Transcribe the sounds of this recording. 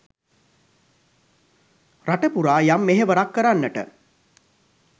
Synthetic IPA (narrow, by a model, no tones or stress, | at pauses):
raʈəpuɾaːjamːeɦeʋəɾakːəɾanːəʈə̰